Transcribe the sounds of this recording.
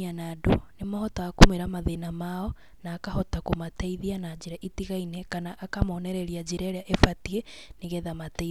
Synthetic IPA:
anadonemahɔtaakomeɾamaðenamaɔ | naːkaɦɔtakomataiðianad͡ʑeɾaʔitiɣainɛkanaʔːkamɔːnɛɾɛɾiad͡ʑeɾaɾeaʔefatieneɣɛðamatɛ

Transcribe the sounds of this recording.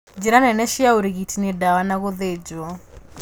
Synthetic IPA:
d͡ʒiɾanɛnɛʃiaoɾeɣitinedawanaɣoðed͡ʒɔ

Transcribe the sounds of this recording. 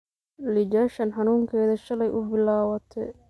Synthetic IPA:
lɪd͡ʒaːʃɐnħɐnuːŋkʰɛːðɐʃɐlɛjʔʊbɪlaːwɐt̪ʰɛ̰

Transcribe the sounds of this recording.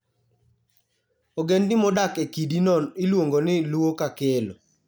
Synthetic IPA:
oɡendɪmɔdakekidinɔnɪlwoŋɡonɪluokakelo

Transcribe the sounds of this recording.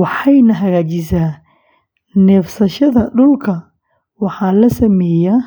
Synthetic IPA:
wɑħɑjnɐɦɐɣaːt͡ʃɪs̬aː | nɛfsɐʃɐðɐɖʊlkʰɐ | wɑħɑːlɐsɐmɛːjaː

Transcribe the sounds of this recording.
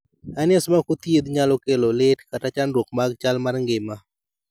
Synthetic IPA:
anɪɛsmakot̪jed̪ɲalɔkelolɪtkatat͡ʃanɾwok̚maɡt͡ʃalmarŋɡɪma

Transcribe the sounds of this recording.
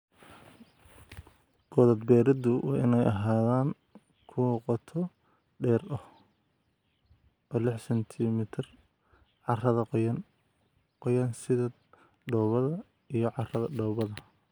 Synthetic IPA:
ɡ̥ɔðɐd̪bɛːɾɪd̪ʊwɑːɪnɛjʔɐɦaːðaːŋ | kʰʊwqɔt̪ʰɔ | ɖɛːrɔh | ɔːlɪħsɛnt̪ʰɪmɪt̪ʰɪr | ʕɑrɐðɐqjɐn | qɔjɐnsɪðɐ | ɖɔːβɐðɐ | ijɞʕɑrɐðɐɖɔβɐðɐ

